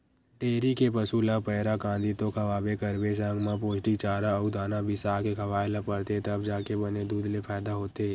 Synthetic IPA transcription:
eːɾikepəsuːlapɛːɾakãːnd̪it̪okʰɐʋaːbekɐɾbesə̃ŋɡmãpoːd͡ʒʈik̚t͡ʃaːɾaud̪aːnabʱisaːkekʰɐʋaːelapəɾt̪et̪ɐbd͡ʒaːkebɐned̪uːd̪lepʰɛːd̪aɦoːt̪e

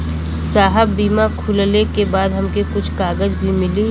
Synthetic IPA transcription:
saːɦəbːiːmakʰʊllekebaːd̪ɦɐmkekʊt͡ʃʰkaːɡəzbʱimɪli

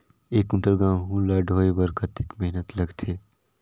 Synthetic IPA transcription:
eːkʊɳʈəɾɡãːwɦũlaːɖʱoːebɐɾkət̪eːkmeɦnət̪lɐɡt̪ʰeː

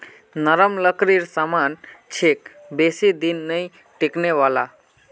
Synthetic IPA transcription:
nəɾəmləkɾiɾsamant͡ʃʰek | besid̪inːəj | ʈekneʋala

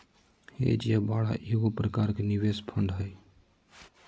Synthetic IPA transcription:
hḛd͡ʒijabaːɽa̰ʔeɡopɾəkaɾkeniʋespʰəɳɖɦəj

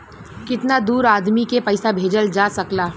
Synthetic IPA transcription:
kɪt̪nad̪uːɾaːd̪mikepɐɪsabʱeːd͡ʒəld͡ʒaːsɐklaː

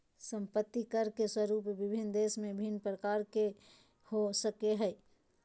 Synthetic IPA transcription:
sə̃mpət̪ːikəɾkeswəɾupʋɪbʱɪnd̪eːsmẽbʱinːpɾəkaːɾke | hosəkeɦɛɛ

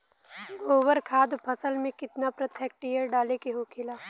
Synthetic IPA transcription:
ɡoːʋəɾkʰaːd̪pʰɐsəlmẽkɪt̪napɾɐt̪ʰɛk̚ʈijəɾɖaːlekeɦokʰɪlaː

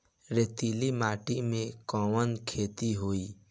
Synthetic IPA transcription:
ɾet̪iːlimaːʈimẽkɔ̃ːʋənkʰeːt̪iɦoːiː

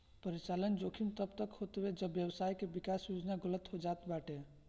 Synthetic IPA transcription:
pəɾit͡ʃalənd͡ʒokʰimt̪əbt̪əkɦot̪bed͡ʒəbjəwsajkebikasjod͡ʒnaɡələt̪ɦod͡ʒat̪baʈe

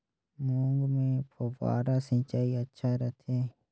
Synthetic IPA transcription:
mõːŋɡmẽpʰoba̰ːɾasɪ̃t͡ʃaːiɐtːʃʰaɾət̪ʰeː

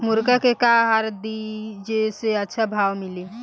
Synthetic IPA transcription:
muɾkakekaɦaɾd̪id͡ʒeseətːʃʰabʱawmili

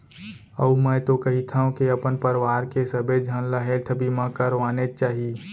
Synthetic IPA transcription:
əumɛ̃ːt̪okɐɦit̪ʰaũkeɐpənpəɾʋaːɾkesəbed͡ʒʱãːnlaɦelt̪ʰəbimãkəɾʋaːnet͡ʃaːɦie

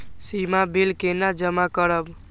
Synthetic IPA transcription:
simabilkenad͡ʒəmakəɾəb

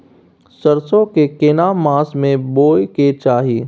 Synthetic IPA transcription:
səɾsõkekenamãːsmẽboːjket͡ʃaːɦiː

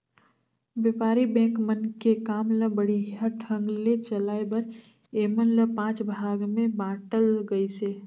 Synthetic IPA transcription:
ʋjəpaːɾibɛ̃ːkmənkekaːmləbəɽiɦaʈʰə̃ŋɡlet͡ʃəlaːebəɾ | eːmənləpãːt͡ʃbʱaːɡmẽbãːʈəlɡəise

